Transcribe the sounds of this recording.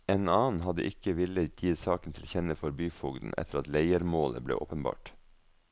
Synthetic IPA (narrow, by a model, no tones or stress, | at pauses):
eːnɑːn̩hɑd̪ə̰ʔɪkəʋɪləjiːsɑːkən̩t̪ʰɪlçɛnəfɔɾbyːfʊɡd̪n̩ʔɛ̰t̪ʰəɾɑt̪leɪəɾmoːlə̰blḛːʔo̰ːpənbɑ̰ːʈ